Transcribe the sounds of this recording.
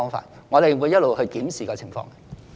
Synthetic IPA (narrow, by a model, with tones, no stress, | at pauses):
ɔː˥ŋfa̰ː˧t̚ŋɔː˨˧ɾe˨jwuː˨˧jːɐ˥t̚lo˨whɵ˧jkiː˨˥msiː˨kɔː˧t͡sʰɪ˨˩ŋfɔ̰ː˧ŋ˨